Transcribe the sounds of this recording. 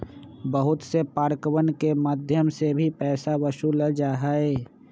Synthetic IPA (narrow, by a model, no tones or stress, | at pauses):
bəɦʊt̪sepaːɾkəʋənkemaːd̪ʱjəmsebʱipɛːsaʋəʃuləd͡ʒaːɦaɛː